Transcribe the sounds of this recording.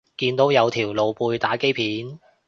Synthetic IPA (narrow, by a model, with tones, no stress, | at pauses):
kiː˧nt̪o˨˥wjɐ˨˧wt̪ʰiː˨˩wlo˨˧wpuː˧jt̪aː˨˥ke˥jpʰiː˨˥n